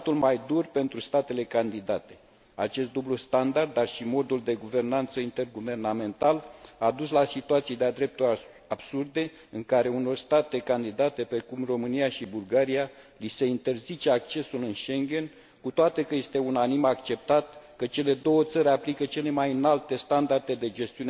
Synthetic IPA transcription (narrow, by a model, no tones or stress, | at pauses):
t̪ulmajd̪urpe̞nt̪ɾust̪at̪e̞le̞kand̪id̪at̪e̞̥ | at͡ʃe̞st̪d̪ublust̪and̪ard̪̚dːarʃimo̞d̪uld̪e̞ɡuve̞rnant̪səint̪e̞rɡuve̞rname̞nt̪alad̪uslasit̪uat̪sijd̪ead̪ɾe̞p̚t̪uɾ | ab̥surd̪e̞ | ɨŋkaɾe̞uno̞rst̪at̪e̞kand̪id̪at̪e̞pɾe̞kumro̞mɨnijaʃibulɡaɾija | lise̞int̪e̞rzit͡ʃeak̚t͡ʃe̞sulɨnʃe̞ŋɡʲe̞n | kut̪oat̪e̞kəje̞st̪e̞unanimakt͡ʃe̞p̚t̪at̪kət͡ʃe̞le̞d̪o̞wət̪səɾʲaplikət͡ʃe̞le̞majɨnalt̪e̞st̪and̪art̪e̞d̪e̞d͡ʒe̞st̪iun